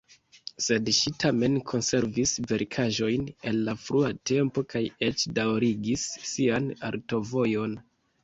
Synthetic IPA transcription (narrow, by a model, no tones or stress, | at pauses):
se̞dʃitʰame̞nkʰo̞nse̞ɾvisve̞ɾkʰaʒo̞jne̞lːafɾuate̞mpo̞kaje̞t͡ʃdawɾiɡisːiana̰ɾto̞vo̞jo̞n